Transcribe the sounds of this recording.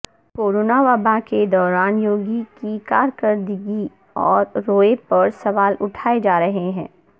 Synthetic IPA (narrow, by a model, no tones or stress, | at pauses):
koːɾoːnaʋaːbʱaked̪ɔːɾaːnjoːɡikikaːɾkəɾd̪ɪɡi | ɔːɾːoːepɐɾsɐʋaːlʊʈʰaːed͡ʒaːɾɐɦeɦɛ̰̃ː